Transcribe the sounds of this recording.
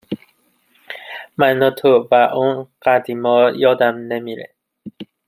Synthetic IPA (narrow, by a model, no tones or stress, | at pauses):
mænɒt̪ʰovæʔunɢæd̪imɒːjɒːd̪æmnemiɾḛ